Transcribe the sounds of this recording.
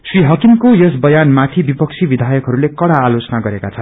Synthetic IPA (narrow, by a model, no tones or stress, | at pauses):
sriɦʌkiŋkojʌsbʌjanmat̪ʰibipʌk̚t͡sʰibid̪ʱajʌkɦʌɾulekʌɽaːlot͡sʌnaɡʌɾekat͡sʰʌn